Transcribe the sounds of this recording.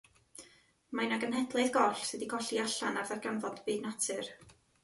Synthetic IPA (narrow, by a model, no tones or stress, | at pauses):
majnaɡənhɛdlˠeðɡɔɬsɨdiɡɔɬiaɬanarðɛrɡanvɔd̥biːdnatʰɨr